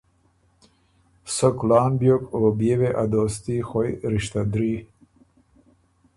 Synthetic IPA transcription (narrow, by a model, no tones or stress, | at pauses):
sokulaːnbjokoːbjeveʔad̪oːst̪ixojɾiʃt̪ad̪ɾi